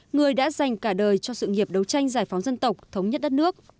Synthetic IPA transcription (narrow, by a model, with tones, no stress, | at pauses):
ŋɨ˨˩əjɗa̰ː˧˥za˨˩jŋ̟kaː˧˩ɗəː˨˩jt͡ɕɔ˧sɨ̰˧˨ŋi˨˩əp̚ɗə˨˦wt͡ɕa˧jŋ̟zaː˧˩jfa˨˦wŋ͡mzə˧nt̪ə˨˩wk͡p̚t̪ʰə˨˦wŋ͡mɲə˦˥t̚ɗə˦˥t̚nɨ˦˥ək̚